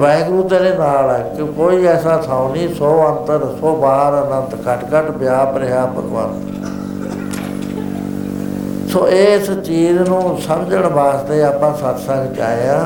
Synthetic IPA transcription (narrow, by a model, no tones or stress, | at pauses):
bɛ̃ːŋɡɾuːt̪eːɾeːnaːlɛːkɪkoːiːɛːsaːt̪ʰaːõniːsoːənt̪əɾsoːbaːɾənə̃nt̪kəʈkəʈbɪjaːpɾeɦaːpə̰ɡʋa̰ːn | soːʔeːst͡ʃiːznũːsəmd͡ʒəɳbaːsd̪eːaːpãːsət̪ʰsə̃ŋɡt͡ʃa̰ːeãː